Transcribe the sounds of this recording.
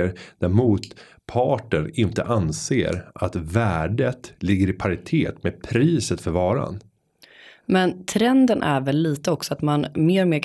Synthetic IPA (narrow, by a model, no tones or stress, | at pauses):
əɾd̪æɾmuːt̪ | pʰɑːʈəɳɪnt̪ə̰ʔansḛːɾʔa̰t̪væːɖət̪lɪɡːəɾɪpʰaɾɪt̪ʰeːt̪mepʰɾiːsət̪fœɾvɑːɾa̰n | mɛnt̪ʰɾɛnd̪ənʔæɾvɛlːiːt̪əɔksɔat̪manmeːɾɔmeːɾ